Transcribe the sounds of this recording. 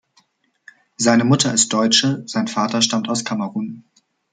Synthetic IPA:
zaɪnəmʊtʰɐɪst̚d̥ɔʏt͡ʃəz̥aɪnfaːtɐʃtamtaʊskʰaməʁuːn

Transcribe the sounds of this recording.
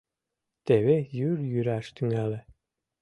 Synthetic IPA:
t̪eβejyɾjyɾæʃt̪yŋælɘ

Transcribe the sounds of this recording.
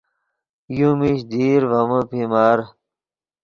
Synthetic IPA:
jumiɕd̪iːɾvɐməpimaːɾ

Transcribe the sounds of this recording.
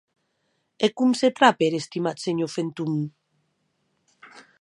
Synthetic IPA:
ekumset̪ɾapeɾest̪imat̪seɲofent̪um

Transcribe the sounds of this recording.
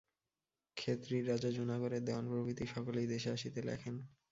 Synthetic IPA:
kʰet̪ɾiɾad͡ʑad͡ʑunaɡoɾed̪eoanpɾobit̪iʃɔkolejd̪eʃeaʃit̪elɛ̰kʰen

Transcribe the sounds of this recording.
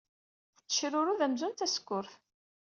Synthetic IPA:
θt͡sːə̥ʃɾʊɾuðæmzʊnt̪æsə̥kːʊɾθ

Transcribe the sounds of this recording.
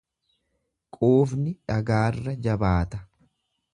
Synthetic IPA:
kʼoːfnɪᶑɐɡaːrːɐd͡ʒɐbaːt̪ɐ̥

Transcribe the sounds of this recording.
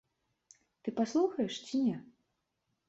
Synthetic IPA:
t̪ɨpaslˠuxɐjɛʂt͡sʲinʲɛ

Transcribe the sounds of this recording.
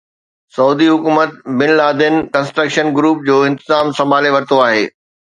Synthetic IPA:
sɐuːd̪iɦʊkuːmət̪̚bɪnlaːd̪ɪnkɐ̃nsʈɾəkʃənɡɾuːp̚d͡ʑoːɪ̃nt̪ɪzaːmsɐ̃mbʱaːleʋɐɾɪt̪oaːɦḛː

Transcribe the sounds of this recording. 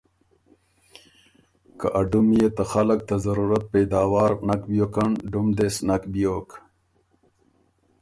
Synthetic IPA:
kaʔaɖumjet̪axalak̚t̪azɐɾuɾɐt̪̚pejd̪aːwaːɾnakbjoːkaɳɖumd̪esnakbjoːk

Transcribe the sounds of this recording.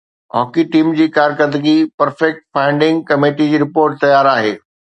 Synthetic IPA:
ɦɔːkiʈiːmd͡ʑiːkaːɾkəɾd̪əɡipɐɾfɛk̚ʈfaːɪ̃ɳɖɪ̃ŋɡkɐmeːʈid͡ʑiːɾɪpoːɾʈ̚t̪ɐjaːɾaːɦḛː

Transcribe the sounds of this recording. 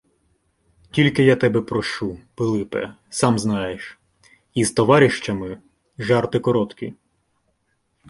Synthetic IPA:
tʲilʲkɪjat̪ɛbɛpɾɔʃupɪlˠɪpɛ̰ | sɑmznɑjeʃ | izt̪ɔʋɑɾʲiʃt͡ʃɐmɪ | ʒɑrt̪ɪkɔɾɔt̪kʲḭ

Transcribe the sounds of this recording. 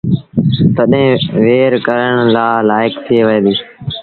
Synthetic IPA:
t̪əɗɦẽːʋeːɾkəɾəɳlaːlaːɪkt̪ʰiːʋəẽːd̪iː

